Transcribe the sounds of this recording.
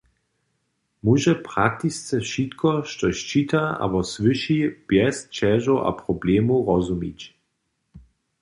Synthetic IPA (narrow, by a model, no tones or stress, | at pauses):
muʒɛpʁak̚t̪ist͡sɛʃit̪kʰɔʃtɔʃt͡ʃit̪aa̰bɔsʋɨʃib̥jɛst͡ʃɛʒoʔa̰pʁɔblemuʁɔzumḭt͡ɕ